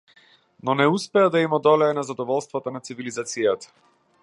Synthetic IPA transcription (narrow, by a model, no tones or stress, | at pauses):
nɔnɛuspɛad̪aimɔd̪ɔlɛːnazad̪ɔvɔlˠst̪vat̪ɔnat̪sivilizat̪sijat̪ḁ